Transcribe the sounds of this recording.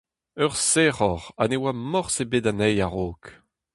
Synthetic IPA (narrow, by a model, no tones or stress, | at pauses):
œʁsɛʁɔʁa̰newamɔʁsebeːdanɛjaʁoːk